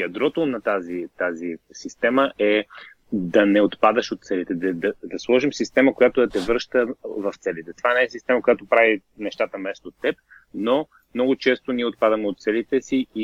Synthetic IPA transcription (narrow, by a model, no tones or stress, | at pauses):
jɐd̪ɾɔt̪onɐt̪azit̪azisist̪ɛməɛ | d̪ɐnɛot̪pad̪əʃot̪̚sɛlit̪ɛd̪ɐd̪ɐd̪ɐslˠɔʒimsist̪ɛməkojat̪od̪ɐt̪ɛvəɾʃt̪əvɐft̪sɛlit̪ɛt̪ovanɛɛsist̪ɛməkojat̪opɾavi | nɛʃt̪at̪əmɛst̪ot̪ːɛp̚ | no | mnɔɡʊt͡ʃɛst̪oniɛot̪̚pad̪əmɛot̪̚t̪sɛlit̪ɛsii